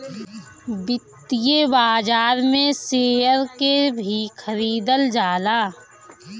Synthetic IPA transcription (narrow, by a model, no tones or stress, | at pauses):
bɪt̪ːijebaːd͡ʒaːɾmẽseːɦəɾkebʱixʰəɾiːd̪əld͡ʒaːlaː